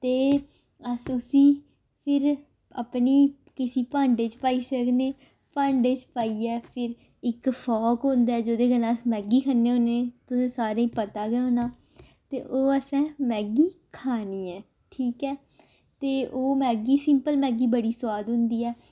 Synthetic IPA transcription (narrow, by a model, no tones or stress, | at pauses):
t̪eː | əsʊsĩː | pʰɪɾ | ə̰pniː | kɪsiːpãːɳɖeːt͡ʃpaːiːsəkʰneː | pãːɳɖeːt͡ʃpaːiːɛːpʰɪɾ | ɪkpʰɔːkɦʊ̃nd̪aɛːd͡ʒoːd̪eːɡənaːəsmɛːɡiːkʰənːeːoːneːt̪ʊsẽːsaːɾeĩːpət̪aːɡɛːɦoːnaː | t̪ḛːʔoːəsɛ̃ːmɛːɡiːkʰaːniːɛː | ʈʰiːkɛː | t̪eːoːmɛːɡiːsɪmpəlmɛ̃ːɡiːbəɽiːsʊwaːd̪ɦʊ̃nd̪iːɛː